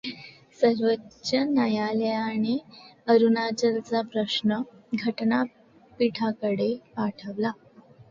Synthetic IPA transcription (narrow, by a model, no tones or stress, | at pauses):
səɾʋətɕənajaljaɽ̃iəɾunat͡ɕəlt͡sapɾəɕnəɡʱəʈna | piʈʰakəɽepaʈʰəʋla